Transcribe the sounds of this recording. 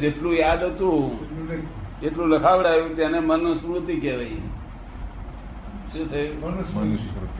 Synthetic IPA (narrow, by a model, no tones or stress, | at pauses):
d͡ʒeʈlũjad̪ɦət̪ũɦ | eʈlũləkʰaʋɽajũt̪janemənə̃sɽut̪ikeʋai | ʃũt̪ʰəjun